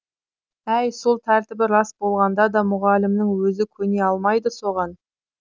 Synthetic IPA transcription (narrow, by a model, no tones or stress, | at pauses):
æjsolˠt̪ʰæɾt̪ɪbɪɾɑsbo̞lˠʁɑnd̪ɑd̪ɑmʊʁɑlɪmnɪŋwɵzɪkʲʰɵne̞ɑlˠmɑjd̪əso̞ʁɑn